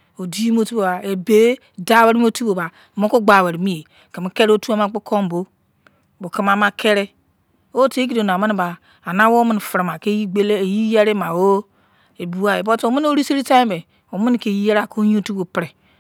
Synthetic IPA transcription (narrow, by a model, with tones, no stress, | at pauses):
o˨di˦ji˦m˦o˦tu˦bo˨ba˨e˨be˦ | da˦wa˦ɾi˦m˦o˦tu˦bo˨ba˨ | mo˦ko˦ɡ͡ba˨we˨ɾi˨mi˦e˨ | ki˨m˦ke˦ɾo˦tu˦a˦ma˦k͡pu˦kʰo˦m˨bo˦˨ | bo˨ki˦ma˦ma˦kʰe˦ɾe˦ | o˦te˦k̬i˦do˨n˨a˨mi˦n˨baː˨ | na˦wo˦mi˦n˨fi˨ɾma˨ke˦ji˦ɡ͡be˦le˦˨ji˦je˦ɾe˦ma˨o˦ | e˨bu˨a˨e˨bo˦to˨mi˦n˦o˦ɾi˦si˦ɾi˦ta˦be˨ | o˨mi˦n˨ke˨ji˦je˦ɾa˨ko˦ɲi˦o˦tu˦bo˨pɾe˨